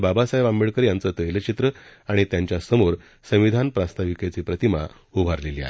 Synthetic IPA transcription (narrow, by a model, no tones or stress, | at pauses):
babasajʋambiɭkəɾjãnt͡sət̪əjlət͡ɕit̪ɾəaɽ̃it̪jãɲt͡ɕjasəmoɾ | sə̃m̃ʋid̪ʱanpɾast̪aʋiket͡siːpɾət̪ima̰ | ubʱaɾlelia̰ɦe